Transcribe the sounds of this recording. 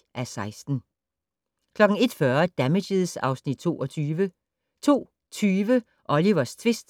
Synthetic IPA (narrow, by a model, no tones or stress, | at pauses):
ʔæsɑ̈ɪsd̥n̩ | kʰlɒ̽ɡ̥n̩e̝d̥fɶɐd̥æmeɕiðˠsɑ̈ʊsnid̥̚t͡sʰo̝̰ːʔɒ̽t͡sʰyːʋə | t͡sʰo̝̰ː | t͡sʰyːʋə | ʔɒ̽liʋɐst͡sʰʋe̝sd̥